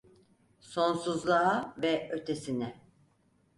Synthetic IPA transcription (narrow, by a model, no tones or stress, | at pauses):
so̞nsuzlˠaavɛø̞t̪ʰe̞sinɛ